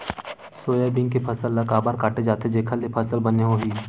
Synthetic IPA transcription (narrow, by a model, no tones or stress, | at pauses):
soːjabɪ̃ŋɡkepʰɐsəlːakaːbaːɾkaːʈed͡ʒaːt̪ed͡ʒeːkʰəlepʰɐsəlbəneɦoɦiː